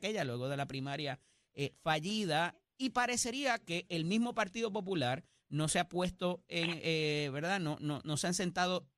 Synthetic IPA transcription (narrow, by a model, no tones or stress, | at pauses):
ke̞ʝalwe̞ɣo̞ð̞e̞lapɾimaɾja | efaʝiða | ipaɾe̞se̞ɾiake̞ʔelmizmo̞paɾt̪iðo̞p̬o̞p̬ulaɾ | no̞seapwe̞st̪o̞eŋeβe̞ɾðano̞nono̞seanse̞nt̪að̞o̞